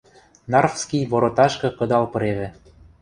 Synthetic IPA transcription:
nɑrfskijβoɾot̪ɑʃkɤ̆kɤ̆d̪ɑlpɤ̆ɾeβɘ̆

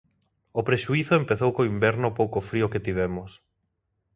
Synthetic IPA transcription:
opɾeʃuiθʊempeθowkoimbɛɾnopowkofɾioket̪iβ̞ɛmos

